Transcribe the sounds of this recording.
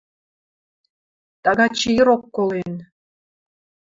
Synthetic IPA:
t̪ɑɣɑt͡ɕijiɾokːolen

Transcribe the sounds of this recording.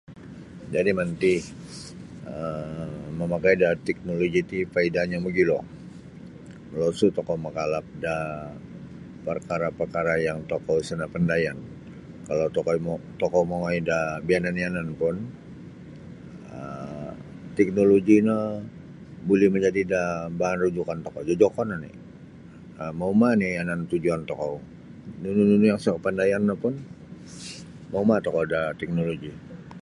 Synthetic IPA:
d͡ʒadimant̪i | ə | məmakajdat̪ɛk̚noloɡit̪ipaidaɲaməɡilɔ | losut̪ɔkɔmakalap̚da | pərkaɾapərkaɾajaŋt̪okɔsənapəndajan | kalawtt̪ɔkɔmoŋajdabiananiananpʊn | ə | t̪ɛk̚noloɡina | bolɛhməɲd͡ʒadidabaɦanrud͡ʒukant̪ɔkɔd͡ʒad͡ʒokɔnanɪ̰ | əmaumanijanant̪ud͡ʒuant̪ɔkɔ | nunununujaŋskəpandajanːapʊn | maumat̪ɔkɔdat̪ɛk̚noloɡi

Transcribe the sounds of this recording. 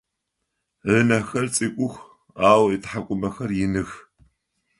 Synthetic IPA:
ʕənɐxɐrt͡sʼiːkʷʼʊxʷ | aːwitħakʷʼʊmɐxɐrjɪnɨx

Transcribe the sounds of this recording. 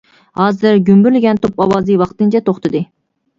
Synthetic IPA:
hɑːzɨɾɡʲymbyɾlɪɡʲɛnt̪ʰopɑwɑːzɨwɑχt̪ɨnt͡ʃʰɛt̪ʰoχt̪ʰɨd̪ɨ

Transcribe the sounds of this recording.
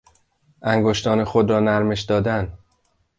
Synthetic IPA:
ʔæŋɡoʃt̪ɒːnexod̪ɾɒːnæɾme̞ʃd̪ɒːd̪æn

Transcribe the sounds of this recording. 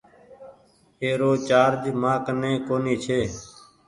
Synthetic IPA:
eːɾoːt͡ʃaːɾd͡ʒmãːknẽːkoːniːt͡ʃʰeː

